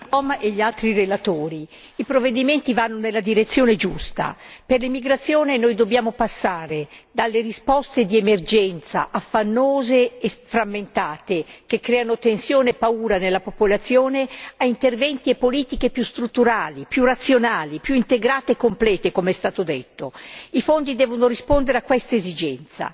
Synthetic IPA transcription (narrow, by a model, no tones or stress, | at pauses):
ɔmeʎːialt̪ɾirelat̪oːɾi | ipɾovːed̪iment̪ivanːonelːad̪iɾet̪sːjoːned͡ʒust̪a̰perlimiɡɾat̪sːjoːnenojd̪objaːmopasːaːɾed̪alːeɾispɔst̪ed̪iemerd͡ʒɛnt̪sa̰ʔafːanːoːzeːfɾamːent̪aːt̪ekekːɾɛːanot̪ensjoːneepauːɾanelːapopolat̪sːjoːneaint̪ervɛnt̪iepːoliːt̪ikepjust̪ɾut̪ːuɾaːlipjurat̪sːjonaːlipjuint̪eɡɾaːt̪eekːomplɛːt̪ekomeɛst̪aːt̪od̪et̪ːoifond̪id̪ɛːvonorispond̪eɾeakːwɛst̪aezid͡ʒɛnt̪sa̰